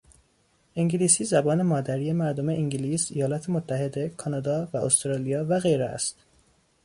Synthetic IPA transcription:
iŋɟiliːsiːzæbɒːne̞mɒːd̪æɾiːjemæɾd̪omeʔiŋɟiliːsejɒːlɒːt̪ʰemot̪ʰːæɦe̞d̪e̞kʰɒnɒːd̪ɒːvæʔost̪ɾɑːlijɒːvæɣejɾeæ̰st̪

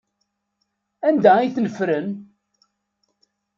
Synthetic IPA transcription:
ænd̪æiθnəfɾən

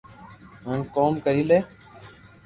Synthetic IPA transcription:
ɦənkoːmkəɾiːleː

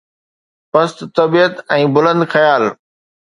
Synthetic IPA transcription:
pɐst̪t̪ːɐbiːət̪ɛ̃ːbʊlə̃nd̪xɐjaːl

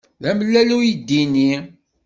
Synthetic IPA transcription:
ðæməlːælujid̪ːini

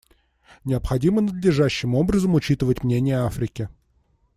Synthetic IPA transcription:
nʲɪəpxɐdʲimənəd̪lʲɪʐæɕːɪmo̞bɾəzəmʊt͡ɕit̪ɨvətʲmnʲenʲɪjəafɾʲɪkʲɪ

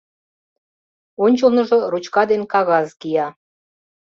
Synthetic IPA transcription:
onʲt͡ɕəlnə̆ʒorut͡ɕkɑd̪enkɑɣɑzkijɑ

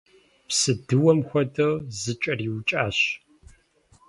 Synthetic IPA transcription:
psɨdɨwɔmxʷɔdɐzɨt͡ʃʼɐriːwt͡ʃʼaːɕ

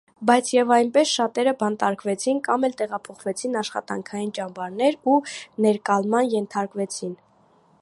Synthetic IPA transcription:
bɑjt͡sʰjɛvɑjnpɛsʃɑt̪ɛɾəbɑnt̪ɑɾkvɛt͡sʰinkɑmɛlt̪ɛʁɑpʰɔχvɛt͡sʰinɑʃχɑ̰t̪ɑ̰ŋkʰɑjint͡ʃɑmbɑɾnɛɾunɛɾkɑlmɑnjɛnt̪ʰɑɾkvɛt͡sʰin

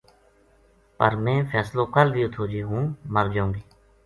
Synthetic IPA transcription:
pəɾmɛ̃ːpʰɛːslõːkəlbiːʊt̪ʰoːd͡ʒiːɦũːməɾd͡ʒãːŋɡiː

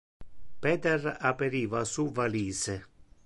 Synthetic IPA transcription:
pɛːt̪ɛrapeɾiːvasuvaliːse

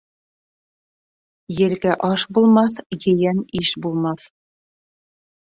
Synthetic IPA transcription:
jɘ̆ɾɡæʔɑʃbulˠmɑθjɘ̆jæniʃbulˠmɑθ

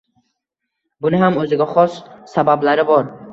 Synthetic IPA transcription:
bunaɦamɵzɪɡaχɔssabablaɾɪbɔɾ

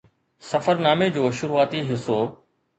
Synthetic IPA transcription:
sɐfəɾnaːmed͡ʑoːʃʊɾuaːt̪iɦɪsoː

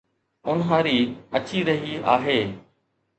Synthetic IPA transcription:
ʊnɦãːɾiːɐt͡ɕiɾɐɦiaːɦeː

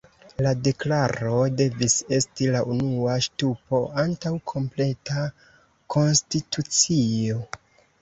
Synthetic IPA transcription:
lade̞klaɾo̞de̞vise̞stilaʔunuaʃtupo̞ʔantawkʰo̞mple̞ta | kʰo̞nstitut͡sio̞

